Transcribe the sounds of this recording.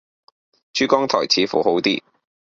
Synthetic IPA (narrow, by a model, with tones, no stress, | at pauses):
t͡ʃyː˥kɔː˥ŋt̪ʰɔ̰ː˨˩jt͡sʰiː˨˥fṵ˨˩ho˨˥wt̪ḭː˥